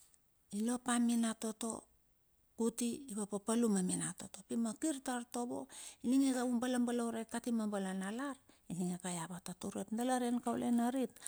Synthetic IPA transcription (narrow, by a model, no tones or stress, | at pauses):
ilo̞paminato̞to̞̰ | kutiːβapapalumaminato̞to̞pimakiɾtaɾto̞bo̞̰iniŋekaumbalambalawɾekatimambalanalaɾ | iniŋekajabatatuɾe̞pndalaɾenkawlenaɾit̚